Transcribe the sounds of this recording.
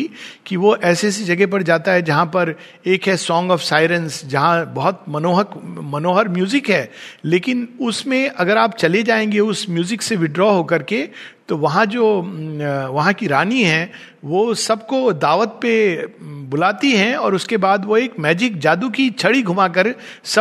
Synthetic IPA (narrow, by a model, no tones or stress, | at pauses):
kiʋoʔɛːsesed͡ʒɐɡɛp̬ɐɾd͡ʒaːt̪aɦɛd͡ʒɐɦãpɐɾ | eːkɦɛsɔ̃ːŋɡɔːfsaːɪɾə̃nsd͡ʒɐɦãbɐɦʊt̪mɐnoːɦəkmɐnoːɦəɾmjuːzɪkɦɛːleːkɪnʊsmẽʔɐɡəɾaːp̚t͡ʃɐled͡ʒaːẽːŋɡeʊsmjuːzɪkseʋɪɖɾɔːɦokɐɾket̪oʋɐɦãd͡ʒoː | ʋɐɦãkiɾaːniɦɛ̃ | ʋoːsɐbkod̪aːʋət̪̚pe | bʊlaːt̪iɦɛ̃ɔːɾʊskebaːd̪ʋoeːkmɛːd͡ʒɪk̚d͡ʒaːd̪ukit͡ʃʰɐɽiɡʱʊmak̬əɾ | sɐ